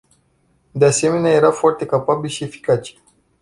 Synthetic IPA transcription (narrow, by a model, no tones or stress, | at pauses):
d̪ease̞me̞neaje̞ɾafoart̪e̞kapabilʃie̞fi̥kat͡ʃe̥